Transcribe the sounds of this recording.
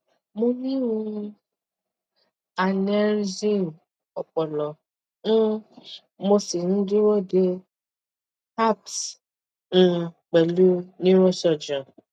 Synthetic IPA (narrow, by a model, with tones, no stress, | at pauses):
mo˧nĩ˦ũ˧ | a˨nɛ˦ɾd͡ʒi˦˨ | ɔ˨k͡pɔ˨lɔ˨ | ũ˦ | mo˧si˨nũ˨˦di˦ɾo˦˨de˦ | ha˦˨ps̩˧ | k͡pɛ˨lu˦nĩ˦ɾ̃ɔ̃˦ʃɔ˨d͡ʒã˨